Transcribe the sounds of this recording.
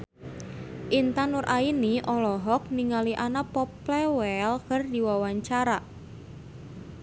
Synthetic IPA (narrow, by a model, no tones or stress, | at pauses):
ʔint̪anʊɾʔainiʔɔlɔɦɔk̚niŋaliʔanapɔplɛwɛlkərdiwawaɲt͡ʃaɾa